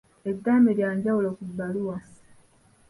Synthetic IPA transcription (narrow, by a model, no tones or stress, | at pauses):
edːaːmeɾjaːɲɟawulokubːaluwa